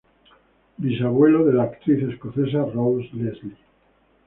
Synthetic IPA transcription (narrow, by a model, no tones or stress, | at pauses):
bisaβwe̞loðe̞laːkt̪ɾiθe̞skoθe̞s̬arowslezli